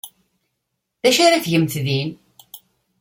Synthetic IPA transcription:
ðæʃaɾaθʝəmθðin

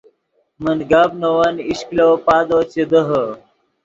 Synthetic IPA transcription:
mənɡabnowɐniɕklopaːd̪oːt͡ɕed̪əɦə

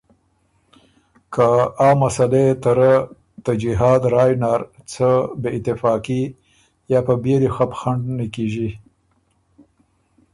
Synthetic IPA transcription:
kaːmːasalet̪aɾa | t̪ad͡ʒiɦɑːd̪ɾɑːjnɑɾt͡səbeɪt̪ɪfɑːki | jɑpəbeɾixapxaɳɖnakiʒi

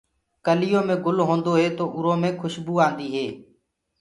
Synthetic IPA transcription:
kəlɪjõːmẽːɡʊlɦõːnd̪oːɦeːt̪oːʔʊɾõːmẽːkʰʊʃbuːaːnd̪iːɦeː

